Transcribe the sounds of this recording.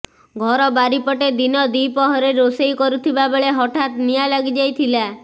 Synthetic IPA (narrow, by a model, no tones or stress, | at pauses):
ɡʱɔɾɔbaɾipɔʈed̪inɔd̪ipɔɦɔɾeɾosejkɔɾut̪ʰibabeɭeɦɔʈʰat̪nijalaɡid͡ʒajt̪ʰila